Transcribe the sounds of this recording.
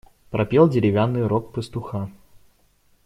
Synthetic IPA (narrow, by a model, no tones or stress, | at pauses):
pɾʔɐpʲelˠdʲɪɾʲɪvʲanːɨjɾok̚pəst̪ʊxa